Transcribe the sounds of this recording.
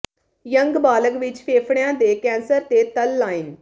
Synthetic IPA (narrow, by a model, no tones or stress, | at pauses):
jəŋɡbaːləkʋɪt͡ʃpʰeːpʰɽjãːd̪eːkɛ̃ːnsəɾt̪eːt̪əlːaːɪn